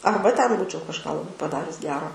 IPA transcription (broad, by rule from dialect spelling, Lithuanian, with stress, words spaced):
ˈɐrbɐ tʲɛn ˈbuːt͡ʃʲɛʊ kɐʃˈkɑː lˠɐˈbɐɪ pɐˈdɑːrʲʊs ˈɡʲæːroː